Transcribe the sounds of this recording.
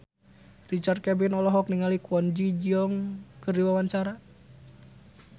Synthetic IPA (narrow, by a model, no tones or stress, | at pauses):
rit͡ʃart̪̚kɛbinɔlɔɦɔk̚niŋalikʰɔnd͡ʒid͡ʒiɔŋkɨrdiwawant͡ʃaɾa